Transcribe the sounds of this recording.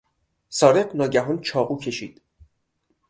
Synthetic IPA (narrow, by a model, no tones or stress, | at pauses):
sɒːɾeɢnɒːɟæɦɒnt͡ʃʰɒːʁuːcʰe̞ʃiːd̪̥